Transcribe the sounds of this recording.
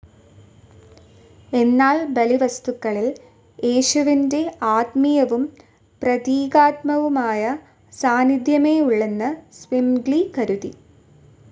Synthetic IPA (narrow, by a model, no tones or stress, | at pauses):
e̞nːaːlbɐliʋɐst̪ukːɐɭil | eːɕuʋinde̞aːt̪mijɐʋum | prɐðiːɡaːt̪mɐʋumaːjɐ | saːnid̪ʱjɐme̞ːuɭːenːɐsʋimɡɭikɐɾuðḭ